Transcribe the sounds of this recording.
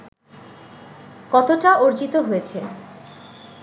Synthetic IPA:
kɔt̪oʈaoɾd͡ʑit̪oɦojet͡ɕʰe

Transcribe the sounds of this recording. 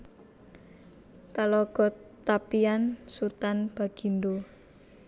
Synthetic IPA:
kalɔɡ̥ɔ̤t̪apiansut̪anb̥a̤ɡ̥indo

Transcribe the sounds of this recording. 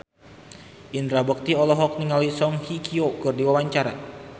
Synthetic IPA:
ʔind̪ɾabək̚t̪iɔlɔɦɔk̚niŋalisɔŋhikʰiokɨrdiwawaɲt͡ʃaɾa̰

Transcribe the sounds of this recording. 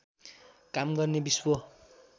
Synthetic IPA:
kamɡʌrnebiswʌ

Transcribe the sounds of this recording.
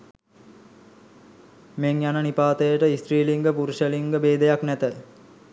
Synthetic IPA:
meŋjanənipaːt̪əjəʈəisʈriːliŋɡəpuɾuʃəliŋɡəbeːd̪əjaknæt̪ə

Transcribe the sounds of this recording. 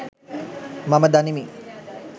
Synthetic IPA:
mɐməd̪ɐnimi

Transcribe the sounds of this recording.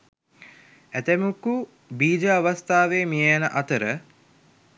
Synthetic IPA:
æt̪emuku | biːd͡ʒəaʋast̪aːʋeːmijejænəʔɐt̪əɾə

